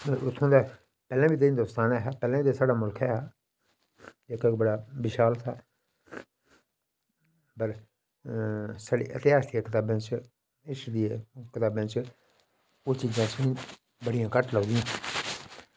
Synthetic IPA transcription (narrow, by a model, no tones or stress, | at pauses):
ʊt̪ʰːõːd̪aː | pɛːlãːbiːt̪eĩːd̪oːst̪aːnɛːɦɛːpɛːlãːbiːt̪aːsaːɖaːmʊlkʰɛːɦː | ekekbəɽaːbɪʃaːlt̪ʰaː | pəɾ | saːɽḭːʔət̪ɪaːsd̪ieːkɪt̪aːbãːt͡ʃ | ɪsd̪iekɪt̪aːbãːt͡ʃ | ot͡ʃiːzãːsnĩː | bəɽijãːkəʈləɡd̪ɪjãː